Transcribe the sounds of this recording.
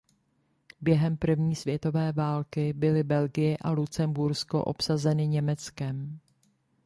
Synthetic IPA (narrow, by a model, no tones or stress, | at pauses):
bjɛɦɛmpr̩vɲiːsvjɛt̪o̞vɛːvaːlkɪbɪlɪbɛlɡɪjɛʔalut͡sɛmbuɾsko̞̰ʔo̞̰psazɛnɪɲɛmɛt͡skɛm